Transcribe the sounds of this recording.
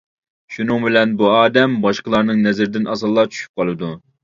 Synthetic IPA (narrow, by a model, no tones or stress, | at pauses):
ʃunɨŋbɪlɛnbuɑːd̪ɛmbɑʃqəlˠɑɾnɨŋnɛzɪɾɪd̪ɪnʔɑsɑlˠːɑt͡ʃʰy̥ʃy̥p̚qʰɑlˠɨd̪u